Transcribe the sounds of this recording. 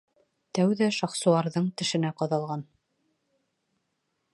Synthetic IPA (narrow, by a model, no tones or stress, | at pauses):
t̪æwðæʃɑχsulˠɑɾðɤɴt̪ɘ̆ʃɘ̆næqɑðɑlˠʁɑn